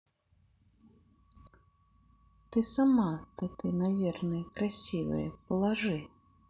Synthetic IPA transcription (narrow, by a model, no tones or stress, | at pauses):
t̪ɪsɐmɑt̪ɐt̪ɪnɐʋʲirnɪjkɾɐsʲiʋɪ̰jɛ̰pɔlˠɐʒɪ